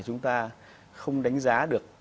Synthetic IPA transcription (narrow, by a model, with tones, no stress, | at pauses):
t͡ɕʊ˨˦ŋ͡mt̪aː˧ | xə˧wŋ͡mɗa˨˦jŋ̟zaː˨˦ɗɨ˨˩ək̚